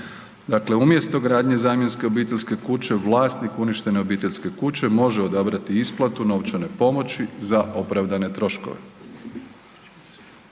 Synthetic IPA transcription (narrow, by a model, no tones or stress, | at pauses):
d̪akle̞umje̞st̪o̞ɡɾaːd̪ɲe̞zaːmje̞nske̞obiːt̪eʎʲske̞kut͡ɕe̞ʋlˠaːst̪nikuniʃt̪e̞ne̞obiːt̪e̞ʎʲske̞kut͡ɕe̞mo̞ʒeo̞d̪abɾat̪iisplˠat̪uno̞ːʋt͡ʃane̞po̞mo̞t͡ɕizaʔo̞pɾaʋd̪ane̞t̪ɾo̞ʃko̞̰ʋḛ